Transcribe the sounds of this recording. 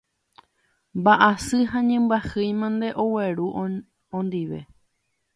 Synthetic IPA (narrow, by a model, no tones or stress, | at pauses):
mbaʔasɨɦãɲẽmbahɨjmãnd̪e̞ʔoweɾu | õnd̪iʋe̞̰